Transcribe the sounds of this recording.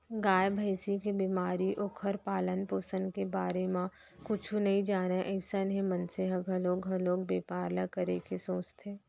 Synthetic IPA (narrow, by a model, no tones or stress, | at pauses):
ɡaːjbʱəɪsikebimaːɾiʔʊkʰəɾpaːlənpoːsənkebaːɾemã | kʊt͡ʃʰũnɐɦĩd͡ʒaːnaʔəɪsənɦĩmɐ̃nseɦɐɡʱɐloːɡʱɐloːk̚beːpaːɾlakəɾekesoːt͡ʃt̪ʰeː